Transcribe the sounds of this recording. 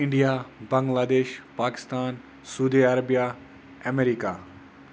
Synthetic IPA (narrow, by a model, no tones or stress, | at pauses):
ɪ̃ɳɖijabɐ̃ŋɡlaːd̪eːʃpaːkɪ̥st̪aːn | suːd̪iɐɾɐbija | ɐmeɾikaː